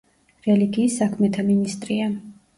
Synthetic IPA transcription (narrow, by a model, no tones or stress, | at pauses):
ɾɛliɡiːsakʰmɛt̪ʰaminist̪ʼɾian